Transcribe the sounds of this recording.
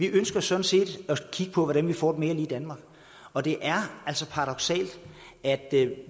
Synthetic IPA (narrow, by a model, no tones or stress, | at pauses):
ʋiʔønsɡ̥ɐsɒ̽n̩se̝̰ːd̥ɒkʰiɡ̥əpʰɒ̽ʋɒd̥ænʋifɒ̰ːd̥eme̝ːɐliːd̥ænmɑ̈ːɡ̥ | ɒ̽d̥e̝ʔæɐæl̰sɒ̽pʰɑ̈ʁɑ̈d̥ɒ̽ɡ̥sɛ̰ːld̥ | æd̥